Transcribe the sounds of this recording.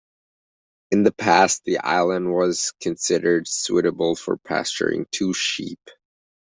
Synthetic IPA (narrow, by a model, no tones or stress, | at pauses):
ɨ̃nðɨpʰæst̪̚ðiʔa̰ɪlˠə̃nd̚wʌz̥kʰɨ̃nsɪɾə˞d̥suɾɨbl̩ˠfə̰˞pʰæ̰st͡ʃə̰˞ɪ̰̃ŋtʰuʃḭp